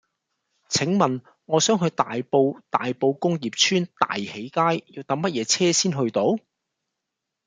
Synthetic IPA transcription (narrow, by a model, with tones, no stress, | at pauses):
t͡sʰɪ˨˥ŋmɐ˨n | ŋɔː˨˧sœː˨˥ŋɦɵ˧ɥt̪a̰ː˨jpo˧wt̪a̰ː˨jpo˧wkʊ˥ŋjiː˨p̚t͡ʃʰyː˥nt̪a̰ː˨jhe˨˥jkaː˥jji˨˧wt̪ɐ˨˥ŋmɐ˥t̚jɛː˨˧t͡sʰɛː˥siː˥nɦɵ˧ɥt̪o˨˥w